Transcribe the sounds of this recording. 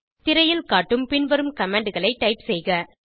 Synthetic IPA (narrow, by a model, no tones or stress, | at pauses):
t̪ɪɾɐjɪlkaːʈːɯmpɪnʋɐɾɯmkɐmeːɳɖɯɣɐɭɐɪʈːɐɪpsɛjɣɐ